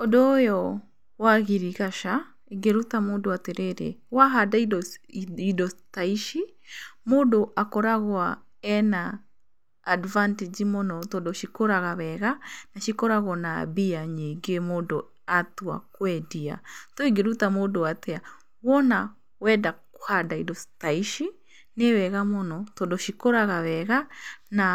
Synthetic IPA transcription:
odɔjɔ | waɣiɾiɣaʃa | eɡeɾutamoːndoateɾeɾḛwaɦadaid | idɔtaiʃi | moːdoʔakɔɾaɣwa | ɛnaː | dvanted͡ʒimɔnɔtɔdɔʃikoɾaɣaβɛɣanaʃikɔɾaɣɔna̰biaɲeŋɡemodɔ | atua̰kwɛdia̰tɔiɡeɾutamodoatɛa | wɔna | wɛdaku̥hadaidɔtaiʃi | newɛɣamɔnɔtɔdɔʃikoɾaɣaβɛɣana

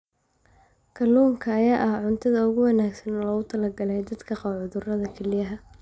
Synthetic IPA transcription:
kʰɐluːŋkʰɐːjaːʔɐhʕʊnt̪ʰɐðɐʊɣʊwɑnaːɡsɐnɔlɔɣʊt̪ʰɐlɐɡɐlɛjd̪ɐd̪kʰɐqɑwʕʊðʊrɐðɐkʰɛlɪjɐɦɐ

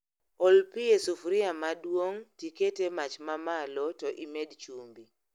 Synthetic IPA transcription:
ɔlpijesufɾiamadwoŋtiketemat͡ʃmamalɔtɔʔimedt͡ʃumbi

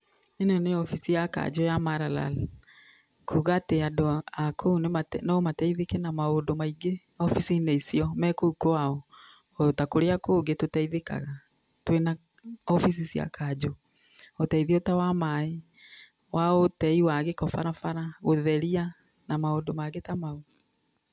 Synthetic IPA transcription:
enoneɔfisijaka̰d͡ʑojamaɾala̰l | kʰuɣateadoakʰounematɛnaɔmatɛiðekɛnamaodomaiɡe | ɔfisineisiɔmɛkoukoaɔ | ɔtakoɾeakoːɡetotɛiðeka̰ɣa | twena | ɔfis̬isia̰kad͡ʑo | otɛiðiotawamae | wʔaotɛiwaɣekɔfaɾafaɾaɣoðɛɾia | namaondomaɣetamao

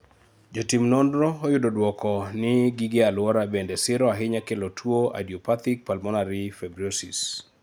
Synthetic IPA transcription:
d͡ʒotimnɔndɾɔːjʊdodwɔkɔnɪɡiɡealwɔɾabendɛsɪɾɔaɦɪɲakelotʰwoa̰diopat̪ik̚palmɔnaɾɪfɛbɾiosis

